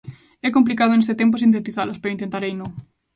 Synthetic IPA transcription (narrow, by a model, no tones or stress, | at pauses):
ɛkomp̬likaðonest̪et̪emp̬osint̪et̪iθalɐspeɾoint̪ẽnt̪aɾejnõŋ